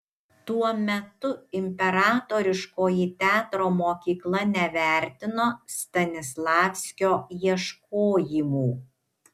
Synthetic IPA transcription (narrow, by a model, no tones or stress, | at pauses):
t̪uɔmʲɛt̪ʊɪmʲpʲɛɾɑːt̪oːɾʲɪʃkoːjit̪ʲæːt̪ɾoːmoːkʲiːklˠɐnʲɛʋʲæˑɾʲt̪ʲɪnoːst̪ɐnʲɪslˠɑːfʲsʲkʲoːjiɛʃkoːjɪmuː